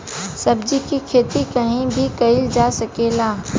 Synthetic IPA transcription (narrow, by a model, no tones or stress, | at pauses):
sɐbd͡ʒikikʰeːt̪ikɐɦĩbʱikɐɪld͡ʒaːsɐkeːlaː